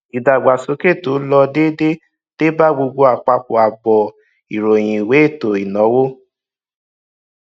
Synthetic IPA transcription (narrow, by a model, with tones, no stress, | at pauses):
i˨da˨ɡ͡ba˨so˨˦ke˦˨to˨˦lɔ˧de˦de˦ | te˦ba˦ɡ͡bo˧ɡ͡bo˧a˨k͡pa˧k͡po˨a˨bɔ˨ | i˨ɾo˨j̃ĩ˨we˨˦e˦˨to˨i˨nɔ̃˨˦wo˦